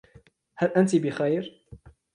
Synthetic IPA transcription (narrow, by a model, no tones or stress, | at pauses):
halʔant̪ibɪxajɾ